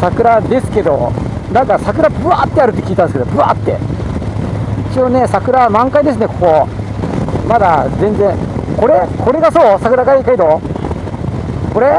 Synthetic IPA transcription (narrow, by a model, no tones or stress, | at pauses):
sakɯ̟ɾad̪e̞sɨ̥ke̞d̪o̞nãŋkasakɯ̟ɾabɯ̟at̪ːeaɾɯ̟t̪ːekʲiːt̪ãneskeobɯ̟a̰t̪ːe̞̰ | it͡ɕio̞ne̞sakɯ̟ɾamãŋkaid̪e̞s̬ɨne̞koko̞ | mad̪azẽ̞nd͡zẽko̞ɾeko̞ɾe̞ɡaso̞ːsakɯ̟ɾaɡaikaid̪o | ko̞ɾe̞